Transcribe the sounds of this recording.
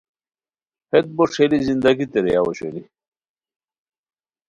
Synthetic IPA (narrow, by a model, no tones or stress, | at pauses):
het̪̚boʂelizind̪ɐɡit̪eɾejawoɕeli